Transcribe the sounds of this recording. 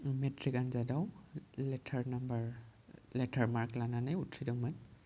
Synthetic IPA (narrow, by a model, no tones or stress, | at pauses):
metʰɹikanzadawlɛtʰaɹnambaɹlɛtʰaɹmaɹklananajutʰɹidɔwman